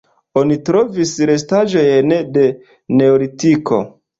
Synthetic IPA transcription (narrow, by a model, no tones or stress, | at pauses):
o̞nitɾo̞visɾe̞s̬taʒo̞jnede̞ | ne̞oɾitiko̞̰